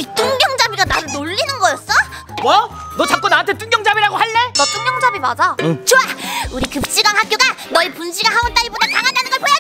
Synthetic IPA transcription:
it͈uŋɡjʌŋd͡ʑabiɡanaɾɯɭnoʎːinɯnɡʌjʌs͈ʌ | ʌ | nʌt͡ɕap̚k͈onaantʰet͈uŋɡjʌŋd͡ʑabiɾaɡohaɭːe̞nʌt͈uŋɡjʌŋd͡ʑabima̰d͡ʑʌt͡ɕoauɾikɯp̚t͡ɕ͈iɡwaŋɦak͈joɡanʌipunɕʰiɡaɦaont͈aibodataŋɦadanɯnɡʌɭpʰoja

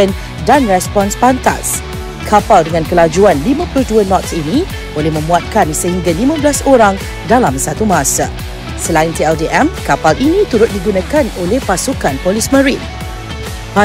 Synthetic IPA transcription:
ən | danrɛspɔnspant̪a̰s | kʰapaldəŋãnkəlad͡ʒuanlimãpulʊhduənɔt̪sinĩ | bolɛhmə̃muat̪̚kansəɦiŋɡalimãblasoɾaŋ | dalamsat̪umaãsa̰ | səlaɪnt̪iɛldiʔɛmkapalinĩt̪uɾʊt̪̚diɡunãkanolɛhpasukanpolismə̃ɾin | pa

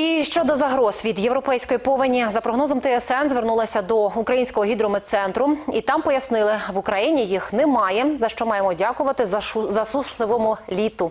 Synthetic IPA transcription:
iʃt͡ʃɔd̪ɔzɐɦɾɔzʋʲid̪jewɾɔpɛjsʲkɔjipɔʋɐnʲizɐpɾɔɦnɔzɔmt̪ɛɛsɛnzʋernulˠɐsʲɐd̪ɔukɾɐjinʲsʲkɔɦɔɦʲid̪ɾɔmɪt̪sɛnt̪ɾʊit̪ɑmpɔjɐsnɪlˠɪʋʊkɾɐjinʲijixnɛmɑjɛzɐʃt͡ʃɔmɑjemɔdʲɑkʊʋɐt̪ɪzɐsuslˠɪʋɔmʊlʲit̪ʊ

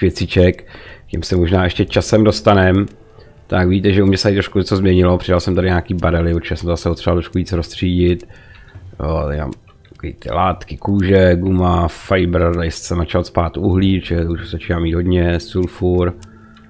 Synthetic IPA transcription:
jɛt͡sɪt͡ʃɛkcɪmsɛmoʒnaːɛʃcɛt͡ʃasɛmdo̞st̪anɛm | t̪akviɟiːt̪ɛʒɛumɲɛsɛajit̪ɾoʃkuɲɛt͡so̞zmɲɛɲɪlopr̥ɪdalsɛmt̪adɪɲaːkiːbaɾɛlɪpt͡ʃɛɛsɛmt̪ozasɛpot̪rialˠt̪ɾoʃkuviːt͡sɾo̞st̪r̝̥iːɟɪt̪ | jot̪ɛ̰a̰m | kḭːt̪ɪ̰laːt̪kɪkuːʒɛɡumafajbɾ̩t̪ajɪstsɛmnat͡ʃalt̪spaːt̪uɦliːt͡ʃɛuʃzat͡ʃiːnaːmiːd̪ɦo̞dɲɛsulfuɾ

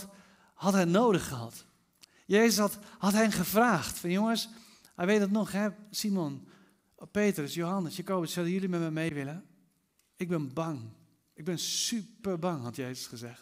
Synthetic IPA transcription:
t | hɑtɦɛjnoːdəχːəɦɑ̰t | jeːzəsthɑtɦɛnχəvraːxtfɑnjoŋəs | hɛjʋejtətnɔχɦɛsimon | peːtrəsjowɦɑnəsjəkoːbətsœwdəjʏlimɛtmɛmejʋɪlə | ɪɡ̚bɪnbɑŋ | ɪɡ̚bɪnsypərbɑŋɦɑtjeːzəsχəzɛxt

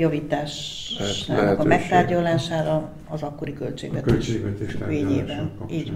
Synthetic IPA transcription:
jɒviːt̪aːʃ | a̰nkɒmɛkt̪aːrɟɒlaːʃaːɾɒ | ɒzɒkːoɾikølt͡ʃḛːɡʋɛtk̪ʃt͡ʃeːɡʋɛt̪eʃeːɲeːvɛniːɟ

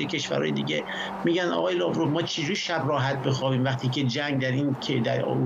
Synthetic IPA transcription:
ecʲʰe̞ʃvæ̰ɾɒ̰ːjed̪iːɟe | miːɟænd̪ɒ̰ːɣːjelɒvɾovmɒːt͡ʃʰed͡ʒuɾiʃæbrɒːɦæt̪̚be̞xɒːbiːmvæχt̪ʰiːkʰe̞d͡ʒæŋɡd̪æɾiːnʰd̪æ̰ɾo̰u

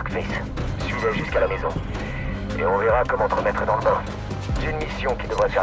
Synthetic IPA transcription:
kfis | sɥivɛʒyskalamezɔ̰̃ | ḛɔ̃vɛʁakɔmɑ̃t̪əʁəmɛt̪χəd̪ɑ̃ləbã | ʒɛnmisjɔ̃kʲid̪əvʁafɛ

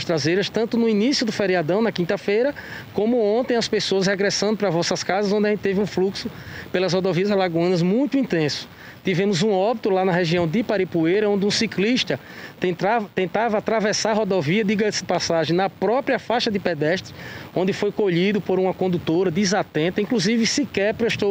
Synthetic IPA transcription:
ʃt̪ɾazejɾɐst̪ɐ̃nt̪ʊnʊinisiʊd̪ʊfeɾiad̪ɐ̃w̃nɐkĩnt̪ɐfejɾɐkõmʊõnt̪ẽj̃ɐspesoɐsheɡɾɛsɐ̃nd̪ʊpɾɐvɔsɐskazɐzõnd̪ɪɐʒẽt̪ɪt̪evɪũfluksʊpelɐzhod̪oviɐzlaɡɐ̃nɐzmũj̃t̪ʊĩnt̪ẽsʊ̥ | t̪ivẽmʊzũɔbit̪ulanɐɦeʒiɐ̃w̃d̪ɪpaɾipuejɾɐõd̪ɪũsikliʃt̪ɐ | t̪ẽt̪at̪ẽnt̪avɐat̪ɾavɛsaɾɦod̪oviɐd̪iɡɐ̃sɪ̥pasaʒẽj̃nɐpɾɔpɾiɐfaʃɐd̪ɪpɛd̪ɛʃt̪ɾɪõnd̪ɪfojkoʎid̪ʊpoɾũmɐkõd̪ut̪oɾɐd̪izat̪ẽnt̪ɐĩkluzivɪsikɛɾpɾeʃt̪o

